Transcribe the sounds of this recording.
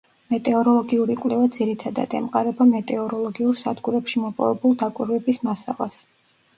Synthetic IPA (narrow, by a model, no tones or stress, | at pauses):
mɛt̪ʼɛɔɾɔlˠɔɡiuɾikʼlɛvad̪ziɾit̪ʰad̪a̰d̪ɛ̰mqʼaɾɛbamɛt̪ʼɛɔɾɔlˠɔɡiuɾsad̪ɡuɾɛpʃimɔpʼɔ̰vɛbulˠd̪akʼiɾvɛbismasa̰lˠa̰s